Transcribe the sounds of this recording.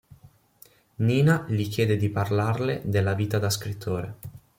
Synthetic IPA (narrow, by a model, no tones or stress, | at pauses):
niːnalikjɛːd̪ed̪iparlarled̪elːaviːt̪ad̪askɾit̪ʰːoːɾe